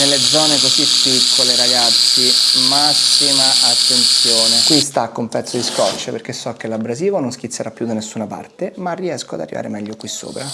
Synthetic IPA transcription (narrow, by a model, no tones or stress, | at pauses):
nelːed̪zɔːnekozipːikʰːoleɾaɡat̪sːimasːimaʔat̪ːent̪sjoːnekwist̪akːumpɛt̪sːod̪iskɔt͡ʃːeperkesːɔkːelabːɾaziːvononsk̟it̪sːeɾʔapːjud̪anesːunapa̰rt̪emarːiɛskoad̪a̰rːḭva̰ːɾemɛʎːokwisːo̰ːpɾa